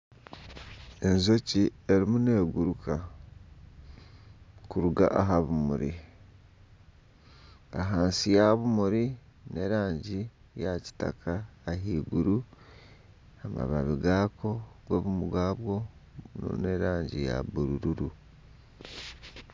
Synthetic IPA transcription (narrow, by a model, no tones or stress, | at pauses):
e̞nzocieɾimune̞ːɡuɾukʰa | kuɾuɡa̰ʔaɦaβumuɾḭ | aɦaːnsijaβumuɾine̞ɾaːɲɟi | jaci̥ta̰kʰaːɦiːɡuɾu | ama̰βaβiɡaːkʰo̞ɡwoβumuɡwaːβwo̞no̰ne̞ɾaːɲɟija̰buɾuɾuɾu